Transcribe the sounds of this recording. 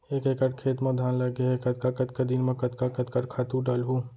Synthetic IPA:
eːkeːkəʈkʰeːt̪mɐd̪ʱaːnləɡeeːkɐt̪kakət̪kad̪inmẽkɐt̪kakət̪kɐʈkʰaːt̪ũɖaːlɦu

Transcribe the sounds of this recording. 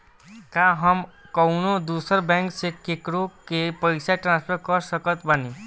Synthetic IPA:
kaɦəmkɔʊnod̪uːsəɾbɛ̃ːŋksekekɽokepəɪsaʈɾãːnspʰəɾkəɾsəkət̪bani

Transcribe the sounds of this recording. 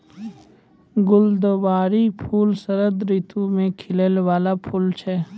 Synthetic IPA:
ɡʊld̪ʋaːɾipʰuːlsəɾəd̪ɾit̪ʰumẽkʰɪlelwaːlapʰuːlt͡ʃʰɛː

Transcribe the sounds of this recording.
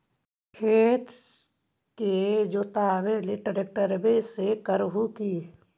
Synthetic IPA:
kʰeːt̪ | ked͡ʒoːt̪aːʋeliʈəɾek̚ʈəɾbesekəɾɦuki

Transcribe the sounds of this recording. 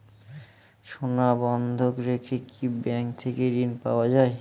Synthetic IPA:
ʃonabɔnd̪ʱokɾekʰekibɛŋkt̪ʰekeɾinpa̰oad͡ʑae

